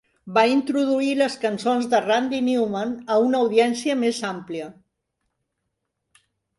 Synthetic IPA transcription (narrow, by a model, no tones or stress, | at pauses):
baint̪ɾuðuiləskənsonzðərand̪iniwmənəunəːwðiɛnsiəmezampliə